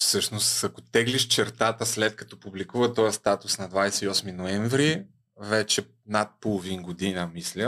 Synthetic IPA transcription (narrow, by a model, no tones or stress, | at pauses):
fsɤʃnost̪akot̪ɛɡliʃt͡ʃɛɾt̪at̪əslɛt̪̚kɐ̥t̪ɔpublikuvɐt̪ɔjɐst̪at̪ʊsnɐd̪vajsɛiɔsminoɛɱvɾi | vɛt͡ʃɛ | nat̪̚polˠovinɡod̪inəmislʲə